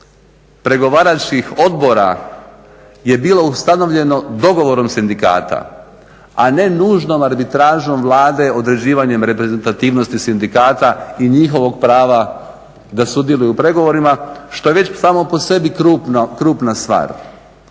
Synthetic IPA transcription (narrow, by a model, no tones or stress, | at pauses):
pɾe̞ɡo̞ʋaːɾat͡ʃkixo̞d̪bo̞ɾa̰ | je̞biːlo̞ust̪ano̞ʋʎe̞no̞d̪o̞ɡo̞ʋo̞ɾo̞msind̪ika̰ːt̪a̰ | ane̞nuːʒno̞maɾbit̪ɾaːʒo̞mʋlˠaːd̪e̞o̞d̪ɾe̞d͡ʑiːʋaɲe̞mɾe̞pɾeze̞nt̪at̪iːʋno̞st̪isind̪ikaːt̪aiɲixo̞ʋo̞ɡ̚pɾaːʋa | d̪asud̪je̞lujupɾe̞ɡo̞ʋo̞ɾimaʃt̪o̞je̞ʋe̞t͡ɕsaːmo̞po̞se̞bikɾuːpnkɾuːpnast̪ʋa̰ːɾ